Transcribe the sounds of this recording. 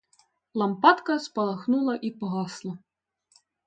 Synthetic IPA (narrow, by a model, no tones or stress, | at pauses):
lˠɐmpɑt̪kɐspɐlˠɐxnulˠɐʔipɔɦɑslˠɐ